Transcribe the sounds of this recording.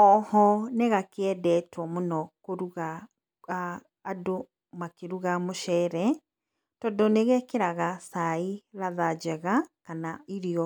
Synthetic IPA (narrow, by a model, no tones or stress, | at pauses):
ɔhɔneɣakeɛdɛtwɔmonɔkoɾuɣa | aː | do | makeɾuɣamoʃɛɾɛ | tɔdɔneɣɛkeɾaɣasaiɾaðad͡ʑɛɣakanaiɾiɔ